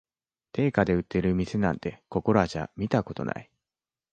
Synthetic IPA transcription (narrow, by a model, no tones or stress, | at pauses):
t̪e̞ːkad̪e̞ɯ̟t̪ːe̞ɾɯ̟mʲise̞nã̰nt̪e̞ko̞ko̞ɾo̞aʑa̰mʲit̪ako̞t̪o̞̰na̰i